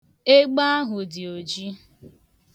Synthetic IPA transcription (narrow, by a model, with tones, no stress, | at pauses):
e˦ɡ͡ba˦a˦ɦʊ˨dɪ˨o˨d͡ʒi˦